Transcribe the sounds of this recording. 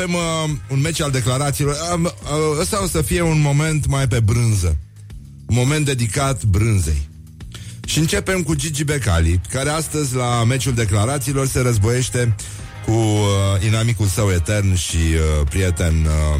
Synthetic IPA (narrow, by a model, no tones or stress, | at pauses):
emunme̞t͡ʃald̪e̞klaɾat̪siːlo̞rəəsaosəfije̞unmo̞me̞nt̪majpe̞bɾɨnzə | unmo̞me̞nt̪ːe̞d̪ikat̪bɾɨnzḛj | ʃiɨnt͡ʃe̞pe̞mkud͡ʒid͡ʒibe̞ka̰likaɾe̞ast̪əzʲlame̞t͡ʃuld̪e̞klaɾat̪siːlo̞rse̞ɾəzbo̞je̞ʃt̪e̞ | kuinamikulsəwe̞t̪e̞rnʃiəpɾije̞t̪e̞n